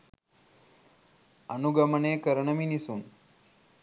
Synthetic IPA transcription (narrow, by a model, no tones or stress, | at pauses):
ɐnuɡɐmɐɳeːkɐɾɐɳɐminisun